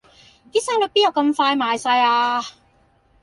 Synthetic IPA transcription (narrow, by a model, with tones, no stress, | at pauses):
t̪iː˥saː˥ŋlo˨˧˥piː˥jɐ˨˩wkɐ˧mfaː˧jmaː˨jsaː˧jaː˧